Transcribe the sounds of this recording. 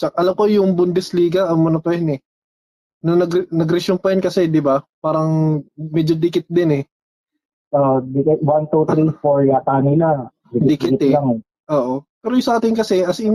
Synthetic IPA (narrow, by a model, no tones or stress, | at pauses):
t͡ʃɐkaʔɐlɐmko̞jʊŋbʊnd̪ɛsliːɡɐʔɐŋmɐnɐpɐjɛnɛ | nɐnɐɡnɐɡɾɛʃonpɐjɛnkɐsɛd̪ɪbapaːɾɐŋmɛd͡ʒod̪ɪkɪt̪̚d̪ɪnɛ | od̪ɪkɪt̪̚want̪ut̪ɾifoɹat̪aːnɪla | d̪ɪd̪ɪkɪkɪt̪ɛlaŋɛ | ʔoːʔopɛːɾojʊsɐʔaːt̪ɪnkɐsɛʔɐsɪn